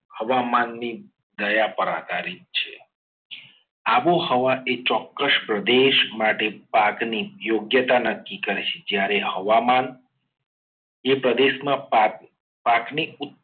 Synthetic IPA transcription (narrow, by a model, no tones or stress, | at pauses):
həʋamanːi | d̪əjapəɾa̰d̪aɾit̪̚t͡ʃʰe | aʋohəʋaʔet͡ʃɔkːəspɾəd̪eʃmaʈepaknijoɡjət̪anəkːikəɾet͡ʃʰe̥d͡ʒjaɾehəʋaman | epɾəd̪eʃmãa | pakniʊt̪